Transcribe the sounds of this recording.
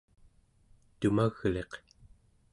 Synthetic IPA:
t̪umaɣle̞q

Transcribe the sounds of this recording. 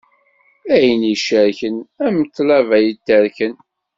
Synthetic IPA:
æjəniʃəɾçənæməθlævæjət̪ːəɾkən

